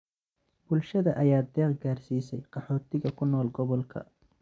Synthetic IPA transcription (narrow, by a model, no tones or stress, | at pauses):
bʊlʃɐðɐʔɐjaːd̪ɛːqɡaːrsiːsɛjqɑħɔːt̪ʰɪɣɐkʰʊnɔːlɡɔβɔlkʰɐ̰